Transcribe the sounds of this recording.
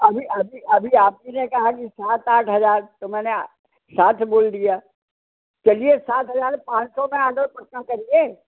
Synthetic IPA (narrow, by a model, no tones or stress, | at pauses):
ɐbʱiʔɐbʱiɐbʱiaːp̚kinekɐɦakisaːt̪aːʈʰɦɐzaːɾt̪omɛ̃ːne | saːt̪ʰboːld̪ijaː | t͡ʃɐliesaːt̪ɦɐzaːɾpãːt͡ʃsɔmẽãːɖəɾpɐkːakɐɾieː